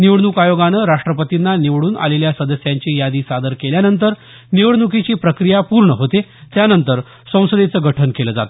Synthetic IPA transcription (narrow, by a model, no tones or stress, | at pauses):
niʋɽnukajoɡanəɾaʂʈɾəpət̪inːaniʋɽuːnʔa̰leljasəd̪əsjaɲt͡ɕiːjad̪iːsad̪əɾkeljanənt̪əɾ | niʋɽnukit͡ɕiːpɾəkɾijapuɾɳəɦot̪et̪janənt̪əɾ | sə̃w̃səd̪et͡səːɡəʈʰənkeləːd͡zat̪o